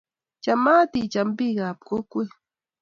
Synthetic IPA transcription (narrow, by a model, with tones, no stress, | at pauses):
t͡ʃamaː˦t̪it͡ʃambi˦ɡa˨p̚ko˦kʷi˦